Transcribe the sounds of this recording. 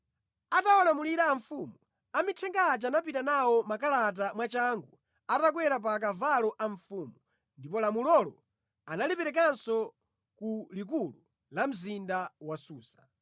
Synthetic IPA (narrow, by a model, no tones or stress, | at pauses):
atawalamuliɾaːɱfuːmu | amitʰɛŋɡat͡ʃanap̬itanawɔmakalat̬amwat͡ʃaŋɡu | atak̬wɛɾap̬ak̬avalɔʔaɱfuːmu | ndipɔlamulɔlɔ̰ | analipɛɾɛk̬ansɔ | kulik̬ulu | lam̩zindawasuːsḁ